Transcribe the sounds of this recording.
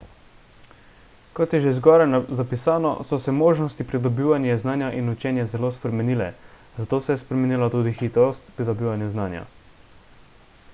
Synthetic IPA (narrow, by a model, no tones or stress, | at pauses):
kɔt̪jɛʒeizɡɔːɾajnazapisaːnɔ̰sɔsɛmoːʒnɔst̪ipɾid̪ɔbiːʋanjɛznaːnjaʔinut͡ʃɛːnjɛzɛloːspɾɛmɛniːlɛ | zat̪oːsɛjɛspɾɛmɛniːlat̪uːd̪ixiːt̪ɾɔst̪pɾid̪ɔbiːʋanjɛznaːnja̰